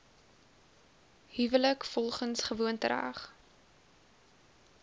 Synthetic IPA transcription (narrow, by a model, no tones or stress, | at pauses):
hyvələkfɔlˠχənsχəvuəntəɾa̰ːχ